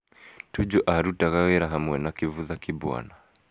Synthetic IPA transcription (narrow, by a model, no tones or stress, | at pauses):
tud͡ʒɔʔaɾutaɣaɣɛɾaɦamwɛnakivuðakibua̰na